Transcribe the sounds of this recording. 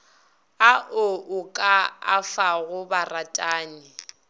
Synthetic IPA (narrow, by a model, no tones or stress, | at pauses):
aʔʊʊkʼaa̰faɣʊbaratʼaːnɪ